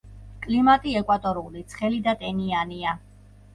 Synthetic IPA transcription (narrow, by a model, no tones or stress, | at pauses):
kʼlimat̪ʼiɛkʼwat̪ʼɔɾulit̪sʰχɛlid̪at̪ʼɛniania